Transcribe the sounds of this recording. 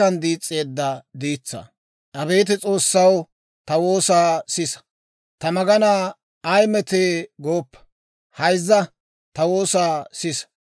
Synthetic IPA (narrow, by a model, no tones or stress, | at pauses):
ɐnd̪iːt͡sʼːe̞ːd̪ːɐd̪iːt͡sːɐ̰ | ʔɐbe̞ːt̪̬ɪt͡sʼo̞ːsːɐw | t̪ɐwo̞ːsaːsɪs | t̪ɐmɐɡɐnaː | ɐjmɛt̪eːɡo̞ːpːɐ̥ | hɐjzːɐ | t̪ɐwo̞ːsaːsɪs